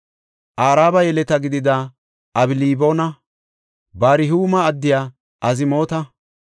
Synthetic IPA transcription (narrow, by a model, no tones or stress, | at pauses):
ʔaːɾaːbɐjɛlɛt̪ɐɡɪd̪ɪd̪ɐ | ɐbɪliːbo̞ːnɐ | baːɾɪɦuːmɐːd̪ːɪjaː | ʔɐzɪmo̞ːt̪ɐ